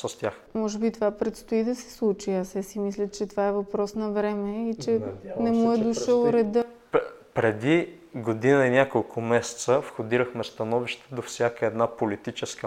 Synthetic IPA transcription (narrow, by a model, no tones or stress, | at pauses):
səst̪ʲjaxmɔʒɛbit̪ovapɾɛt̪st̪oid̪ɐsɛ̥slˠut͡ʃiasɛsimislʲət͡ʃɛt̪ovaɛvɐpɾɔsnɐvɾɛmɛit͡ʃɛnɛmuɛd̪uʃəlˠɾɛd̪ə | pɾɛd̪i | ɡod̪inəinʲakolˠkʰʊmɛsɛ̥t̪səfxod̪iɾəxmɛst̪ɐnɔviʃt̪ɛ̥d̪ofsʲjakəɛd̪napolit̪it͡ʃɛskə